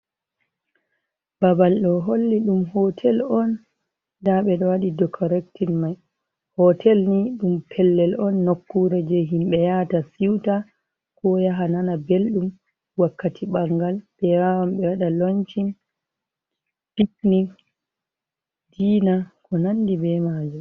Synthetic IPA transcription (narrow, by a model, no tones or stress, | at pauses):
babalɗɔɦolːiɗumhɔtʰɛlɔn | daɓɛɗɔwaɗidɔkʰɔɾɛktinmaj | hɔtʰɛlniɗumpʰɛlːɛlɔnːokːuɾɛd͡ʒɛɦimɓɛjatasiwta | kɔjaɦananabelɗum | wakːatʰiɓaŋɡalbɛwawamɓɛwaɗaloɲt͡ʃin | piknik | diːnakɔnandibɛmaːd͡ʒɔ